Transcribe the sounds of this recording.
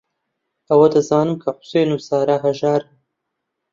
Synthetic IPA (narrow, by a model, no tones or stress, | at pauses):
ʔɐwɐd̪ɐzɑːnɨmkʰɐħʊ̥seːjnuːsaːɾaːɦɐʒaːɾɨn